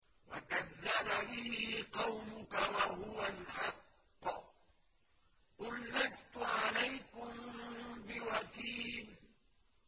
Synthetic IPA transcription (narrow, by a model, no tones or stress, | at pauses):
wa̰kaðːababɪhɪqɑwmʊkawaɦʊwalħɑqː | ʔʊlːast̪ʊʕalajkʊmbɪwakiːl